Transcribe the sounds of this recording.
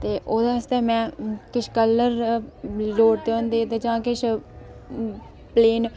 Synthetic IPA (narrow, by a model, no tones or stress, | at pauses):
t̪eːʔoːd̪aːəst̪eːmɛ̃ːkɪʃkəlːəɾ | loːʈ̚d̪eõːnd̪eːt̪eːd͡ʒãːkɪʃʰ | pleːn